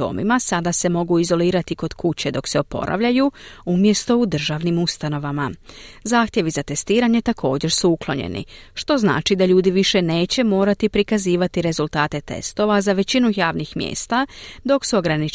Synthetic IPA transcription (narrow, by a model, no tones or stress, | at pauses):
o̰ːmḭmasad̪ase̞mo̞ɡuizo̞liːɾat̪iko̞d̪̥kʰut͡ɕe̞d̪o̞kse̞o̞po̞̰ɾʔa̰ʋʎajuumje̞st̪o̞ud̪r̩ʒaːʋnimust̪ano̞ʋamazaːxt̪je̞ʋizat̪e̞st̪iːɾaɲe̞t̪akʰo̞ːd͡ʑe̞ɾsuuklˠo̞ɲe̞̰nḭʃt̪o̞zna̰ːt͡ʃid̪aʎuːd̪iʋiʃe̞ne̞ːt͡ɕe̞mo̞ːɾat̪ipɾikaziːʋat̪iɾe̞zulˠt̪aːt̪e̞t̪e̞̰st̪o̞ʋazaʋe̞t͡ɕinujaːʋnixmjḛːst̪ad̪o̞ksuo̞ɡɾani